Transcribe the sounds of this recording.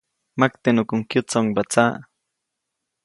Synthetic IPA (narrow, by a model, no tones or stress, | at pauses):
mak̚t̪enʊkʊŋkjʊt͡saŋbat͡sa